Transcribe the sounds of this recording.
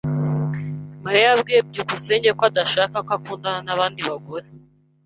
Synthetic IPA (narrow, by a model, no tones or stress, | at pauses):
maɾijabɡijeb̚ɟukuseːɲɟekoadaʃakakakuːndananaβaːndiβaɡo̞ɾe